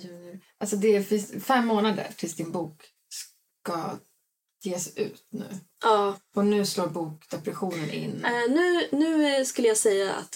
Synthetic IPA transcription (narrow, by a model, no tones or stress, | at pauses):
jʉʔalsɔd̪ɛæfɪsfɛmːoːnad̪ə̰ɾʈʰɪlsd̪ɪnbuːk | s | ka | jeːsʉ̟̰ːt̪nʉ̟̰ː | ʔɑːɔnʉ̟ːsloːɾbuːkd̪ɛpɾɛɧuːnənʔɪ̰nːnʉ̟ːnʉ̟ːskɵlːəjasɛjːaa̰t̪